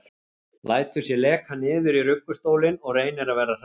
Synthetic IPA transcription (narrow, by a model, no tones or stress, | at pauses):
lʔaːjt̪ʏsjɛlɛːkhanɪːðʏɾirʏkːʏst̪oːwlɪnɔɣreːjnɪɾavɛːɾar̥